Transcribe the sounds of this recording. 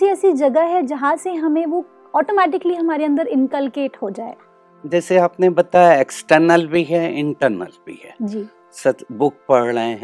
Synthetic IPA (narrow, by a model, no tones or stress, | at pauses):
siɛːsid͡ʒɐɡəɦɛd͡ʒɐɦãseɦɐmẽʋo | ɔːʈomɛːʈɪkliɦɐmaːɾeɐ̃nd̪əɾɪ̃nkəlkeːʈɦoːd͡ʒaːḛː | d͡ʒɛːseaːpnebɐt̪ajaeksʈəɾnəlbʱiɦɛɪ̃ɳʈəɾnə̰lbʱḭɦɛːd͡ʒiː | sɐtbʊk̚pɐɽləẽɦɛ̃